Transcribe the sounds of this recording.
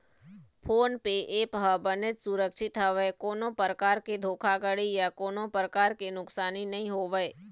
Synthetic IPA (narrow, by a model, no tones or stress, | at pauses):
pʰoːnpeʔeːpɦəbənet̪sʊɾəkʃɪt̪ɦəʋəekoːnõpəɾəkaːɾked̪ʱoːkʰaɡəɽijakoːnõpɾəkaːɾkenʊksaːninəɦĩɦoːʋəe